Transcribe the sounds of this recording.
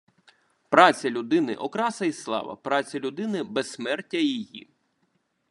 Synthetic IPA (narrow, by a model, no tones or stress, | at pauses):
pɾɑt͡sʲɐlʲʊd̪ɪnɪ̰ʔɔkɾɑsɐislˠɑ̰ʋɐ̰pɾɑt͡sʲɐlʲʊd̪ɪnɪbɛsmɛrtʲːɐjijḭ